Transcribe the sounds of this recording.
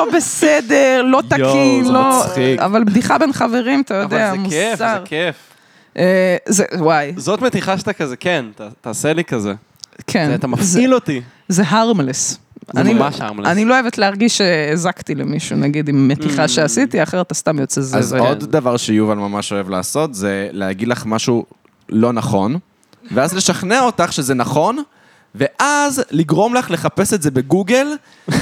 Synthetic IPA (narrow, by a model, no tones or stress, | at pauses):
lobesedeʁlo̞t̪akinloχia̰valbd̪iχabenχave̞ʁimat̪ajodeamuaʁkef | ʔezewajzot̪met̪iχaʃt̪akazekent̪at̪aːselikɐze | kʰent̪amafziloti | zeɦaʁmles | a̰nimaʃamlaniloojevet̪leaʁɡiʃeezakt̪ilemiʃunaɡid̪imːet̪iχaʃeasit̪iaχeʁat̪ast̪amjot͡sezazod̪davaʁʃejuvalmamaʃo̞e̞vlaːso̞t̪zelehaɡid̪laχmaʃu | lo̞naχo̞n | veazle̞ʃaχneaotaχʃe̞zenaχo̞n | ve̞ʔazliɡʁo̞mlaχle̞χape̞setzebe̞ɡuɡel